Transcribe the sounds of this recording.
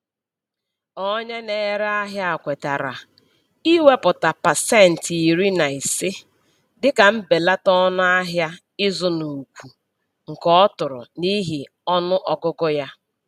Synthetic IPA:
ɔ˦ɲe˦ne˨˦ɾa˦ɦja˦a˨kʷe˨ta˨ɾa̰˨ | i˦we˦pʊ˨ta˨pa˨se˦˨n̩˨ti˨ɾi˦na˨i˨sɪ˦ | dɪ˦ka˨m̩˦be˨la˦tɔ˦nʊ˦a˦ɦja˦ | ɪ˦zʊ˦nu˨kʷu˨ | ŋ̩˨kɔ˦tʊ˨ɾʊ̰˨ni˦ɦi˨ | ɔ˦nʊ˦ʔɔ˨kʊ˦kʊ˦ja˦

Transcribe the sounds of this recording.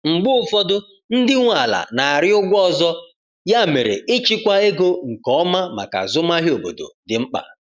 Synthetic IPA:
ŋ͡m̩˨ɡ͡bʊ˦ʊ˦fɔ˦dʊ˦ | n̩˦dɪ˦ŋʷa˨la̰˨na˨a˨ɾɪ˦ʊ˦ɡʷɔ˦˨zɔ˦ | ja˦˨me˨ɾḛ˨ɪ˦t͡ʃi˦kʷa˦e˦ɡo˦ŋ̩˨kɔ˦ma˦ma̰˨ka̰˨zʊ˦ma˦ɦi˦o˨bo̰˨do̰˨dɪ˨ŋ͡m̩˦k͡pa̰˨

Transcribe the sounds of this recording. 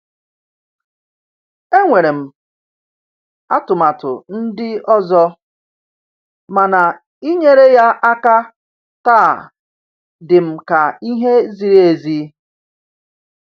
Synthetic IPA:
e˦ŋʷe˨ɾe˨m̩˨ | a˦tʊ˨ma˨tʊ̰˨n̩˦dɪ˦ɔ˦zɔ˦ | ma˨na˨ | i˦ɲe˦ɾe˦ja˦ʔa˦ka˦ | taː˦˨ | dɪ˨m̩˨ka˨i˦ɦe˦zi˨ɾe˦e˨zi˦

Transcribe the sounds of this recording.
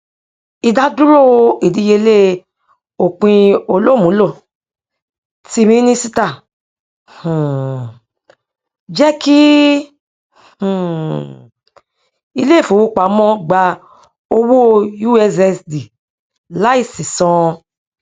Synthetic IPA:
i˧da˦du˦ɾo˦˧i˨di˨˧˦je˧˦le˦ | o˨k͡pĩ˧o˧lo˦˨mũ˨˦lo˦˨ | ti˧mĩ˦nĩ˦si˦ta˦˨ | hũ˨ | d͡ʒɛ˦ki˦ | hũ˨ | i˧le˦˨fo˨˦wo˧k͡pa˨˦mɔ̃˦ɡ͡ba˧ | o˧wo˦˧ju˦ɛ˧s̬ɛ˧sdi˨ | la˦i˦˨sĩ˨sɔ̃˧

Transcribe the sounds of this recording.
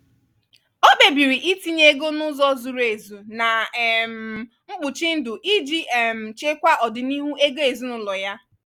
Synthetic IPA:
o˦k͡pe˨bi˨ɾi˨ʔi˦ti˦ɲe˦ɡo˦nʊ˦zɔ˦zu˨ɾe˨zu˨na˨m̩˨ | ŋ͡m̩˦ɡ͡bʊ˨t͡ʃi˦n̩˦dʊ˨ʔi˦d͡ʒi˦ʔm̩˨t͡ʃe˦kʷa˦ʔɔ˨dɪ˨ni˦ɦu˦e˦ɡo˦e˨zu˦nʊ˦lɔ˨ja˦

